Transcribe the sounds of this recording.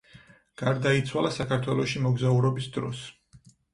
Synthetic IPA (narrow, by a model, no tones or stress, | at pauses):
ɡ̥aɾd̪ait̪sʰwalˠasakʰaɾt̪ʰwɛlˠɔʃimɔɡzauɾɔbisd̪ɾɔ̰s